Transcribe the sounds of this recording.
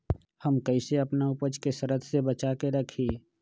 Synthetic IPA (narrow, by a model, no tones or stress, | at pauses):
hɐmkəɪseɐpnaʊpəd͡ʒkesəɾət̪sebɐt͡ʃaːkeɾɐkʰiː